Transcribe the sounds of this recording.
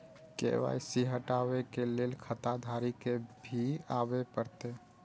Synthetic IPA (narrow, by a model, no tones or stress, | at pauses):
kḛʋa̰ːjsiɦəʈawekeleːlkʰət̪ad̪ʱaːɾikebʱiabepəɾt̪e